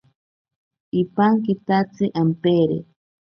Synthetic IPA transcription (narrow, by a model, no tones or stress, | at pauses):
ipaŋkit̪at͡sɨʔampeɾḛ